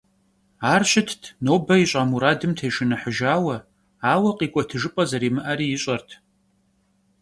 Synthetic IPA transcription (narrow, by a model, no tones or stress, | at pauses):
aːrɕɪtʰtʰnoːbɐiɕʷʼaːmuɾaːdɨmtʰejʂɨnɨħəʒaːwɐ | aːwɐqʼiːkʷʼɔtʰɨʐɨpʼɐzɐɾiːmɨʔɐriːjɪɕʼɐrtʰ